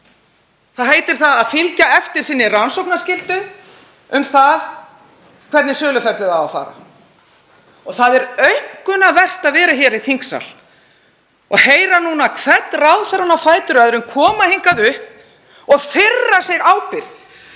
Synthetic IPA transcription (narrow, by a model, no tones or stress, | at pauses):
θaðɦejt̪ɪɾ̥θaðaðfɪlcaɛft̪ɪɾ̥sɪnːɪransowknascɪlt̪ʏ | ʏmθað | kʰv̥ɛɾt̪nɪsœːlʏfajɾ̥t̪ʏðawawfa̰ːɾa̰ | ɔθaðɛɾœɥŋ̥kʏnaðvɛr̥t̪aðvɛːɾaçɛːɾiθiŋksa̰l | ɔɣheːjɾanuːnakʰvɛt̪nrawðθɛɾanafaːjt̪ʏɾaðɾʏmkʰɔːmaheŋkaðʏhp̚ | ɔɣfɪrːaseɣaːwpɪɾ̥ð